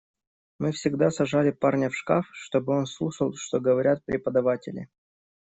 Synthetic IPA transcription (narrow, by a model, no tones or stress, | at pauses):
mɨfsʲɪɡd̪asɐʐalʲɪparnʲəfʂkafʂt̪o̞bɨo̞nslˠuʂəlˠʂt̪o̞ɡəvɐɾʲat̪̚pɾʲɪpəd̪ɐvatʲɪlʲɪ̰